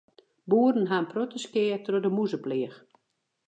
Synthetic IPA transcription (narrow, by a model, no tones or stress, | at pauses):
buərn̩ɦanprotəskɪːətrodəmuzəplɪəx